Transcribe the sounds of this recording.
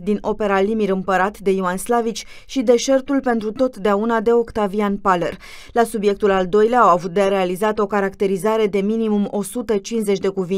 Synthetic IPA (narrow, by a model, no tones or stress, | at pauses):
d̪ino̞pe̞ɾalimiɾɨmpəɾat̪d̪e̞iuanslavit͡ʃʲ | ʃid̪e̞ʃe̞rt̪ulpe̞nt̪ɾut̪o̞t̪d̪eaunad̪e̞o̞kt̪avianpale̞r | lasubje̞k̚t̪ulald̪o̞jleaːwavut̪̚d̪eaɾe̞alizat̪əo̞kaɾakt̪e̞ɾizaɾe̞d̪e̞minimumo̞sut̪ət͡ʃinze̞t͡ʃʲd̪e̞kuvi